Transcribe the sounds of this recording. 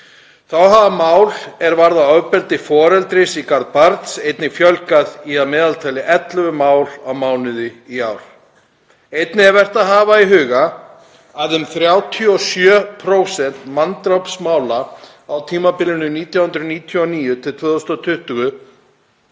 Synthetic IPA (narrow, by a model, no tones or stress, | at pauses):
θawɦavamaːwlɛɾvaɾðaœwpɛlt̪ɪfɔːɾɛlt̪ɾɪsikaɾðpaɾt̪sejt̪nɪfjœlkaðiaðmɛːðalt̪ʰajlɪʔɛt̪lʏvʏmaːwlawmaːwnɪðɪiawɾ̥ | ejt̪nɪɛɾvɛr̥t̪aðɦaːvaiɦʏːɣa | aðʏmθɾjaːwt̪ʰjiɔsjœːpʰɾowsɛn̥t̪mant̪ɾawpsmaːwla | awt̪ʰiːmapɪlɪnʏniːt̪ʰjawhʏnd̪ɾʏniːt̪ʰjɔɔniːjʏt̪ʰɪlt̪ʰvœːðɔst̪ɔt̪ʰʏht̪ʏɣʏ